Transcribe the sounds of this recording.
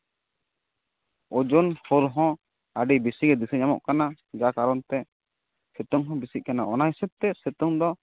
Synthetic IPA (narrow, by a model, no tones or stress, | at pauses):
ɔd͡ʒɔnhɔɾɦɔ̃ | aɖibisiɡɛd̪isɛɲamɔ̰ʔkana | d͡ʒakaɾɔnt̪ɛ | sɛt̪ɔŋɦɔ̃bisic̪̚kanaʔɔnajsɛb̚t̪ɛsɛt̪ɔŋd̪ɔ